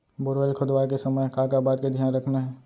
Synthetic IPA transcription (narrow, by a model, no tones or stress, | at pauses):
bʊɾʋelkʰʊd̪ʋaːjk̬esɐməjkãːkabaːt̪ked̪ʱijaːnɾɐkʰnaɦɛː